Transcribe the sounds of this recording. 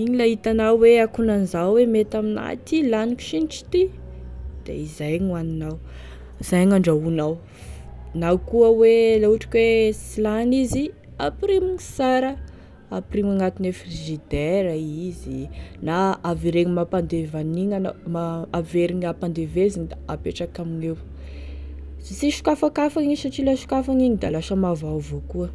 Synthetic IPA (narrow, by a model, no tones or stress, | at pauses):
iɲilaɦit̪anawweakunanzawwemet̪amina̰t̪ilaniku̥ʃint͡ʃi̥t̪i | d̪̥ḛizajɲuaninaw | iz̥ajŋaɳɖ͡ʐaunaw | nakuəwelauʈ͡ʂḁkʲwesilanizi | apɾimiɲisaɾə | aprimaŋat̪inefriʒid̪eɾaizinaaviɾeŋimapand̪evaniŋanamaaveɾiɲapand̪evezind̪aapeʈ͡ʂakaminew | t͡siʃu̥kafakafaŋisaʈ͡ʂilaʃu̥kafaŋinid̪alaʃəmavawvokuə